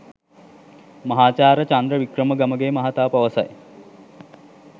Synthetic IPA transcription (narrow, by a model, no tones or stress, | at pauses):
mɐɦaːt͡ʃaːɾət͡ʃand̪ɾəʋikrəməɡɐməɡeːmɐɦat̪aːpɐʋəsɐ̰j